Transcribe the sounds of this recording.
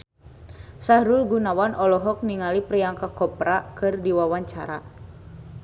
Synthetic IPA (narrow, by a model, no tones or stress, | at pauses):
sahɾulɡunawanʔɔlɔɦɔk̚niŋalipɾijaŋkakɔpɾakɨrdiwawaɲt͡ʃa̰ɾa̰